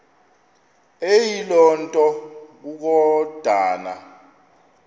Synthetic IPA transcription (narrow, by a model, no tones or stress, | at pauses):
ejilɔntʼɔk̬uk̬ɔd̥ʱaːna̰